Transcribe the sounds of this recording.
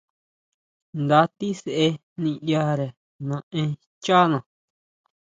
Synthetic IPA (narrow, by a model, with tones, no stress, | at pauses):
nd̪a˧˦t̪i˦se˧ʔe˧ | nĩ˧ja˧ɾe˨ | nã˨˧ʔẽ˧ | t͡ʃa˦nã˨